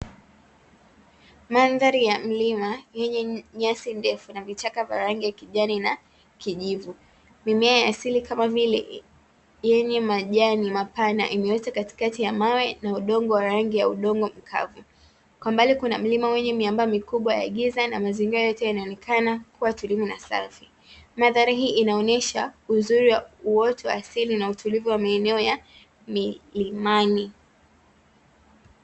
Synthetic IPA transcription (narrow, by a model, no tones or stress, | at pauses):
manðaɾijam̩limajɛɲɛɲasindɛfunavit͡ʃakavja̰ɾaŋɡijakiʄanina | kiʄivu | mimɛajaasilikamavilɛ̰ | jɛɲɛmaʄanimapana̰ʔimɛwɛtakati̥katijamawɛnauɗɔŋɡɔwaɾaŋɡijauɗɔŋɡɔm̩kʰa̰vu | kwambalikunam̩limawɛɲɛmiambamikuɓwaja̰ɠizanamaziŋɡiɾajɔtɛjanaɔnɛkʰanakuwatulimunasa̰fi | maðaɾaɦiːʔinaɔnɛʃauzuɾiwauwɔtʰɔaaːsilinautʰulivuwamaɛnɛɔja | milimani